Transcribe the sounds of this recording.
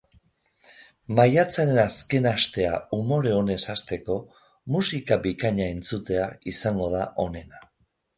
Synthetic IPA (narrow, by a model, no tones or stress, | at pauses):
majat͡saɾe̞naske̞nast̪e̞a̰umo̞ɾe̞o̞ne̞sast̪e̞ko̞ | musikaβikaɲae̞nt͡sut̪e̞aisaŋɡo̞ð̞aʔo̞ne̞na